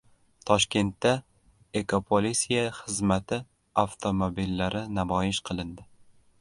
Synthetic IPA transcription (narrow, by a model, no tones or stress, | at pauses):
t̪ʰɒʃkʲe̞nt̪ːa | ekʰopʰolisijaχɨzmat̪ʰɪ | aft̪ʰomobilːaɾɪnabɒjɪʃqʰɨlˠɪnd̪ɪ